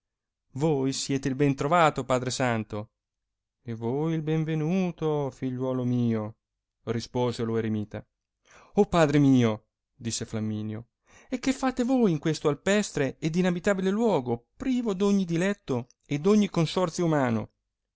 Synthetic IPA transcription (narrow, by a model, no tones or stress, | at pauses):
vojsjɛːt̪eilbɛnt̪ɾovaːt̪opaːd̪ɾesant̪o | evojilbeɱvenuːt̪ofiʎːwɔːlomiːo | rispoːzeloeɾemiːt̪a̰ | opːaːd̪ɾemiːo | d̪isːeflamːiːnjo | ekːefːaːt̪evoːjiŋkwest̪oalpɛst̪ɾeːd̪ːinabit̪aːbilelwɔːɡopɾiːvod̪oɲːid̪ilɛt̪ːo | ed̪ːoɲːikonsɔrt̪sjoumaːno̰